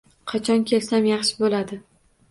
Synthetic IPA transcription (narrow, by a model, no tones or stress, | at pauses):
qʰɑt͡ʃʰɒnkʲʰe̞lsamjɑχʃɪbolad̪ɪ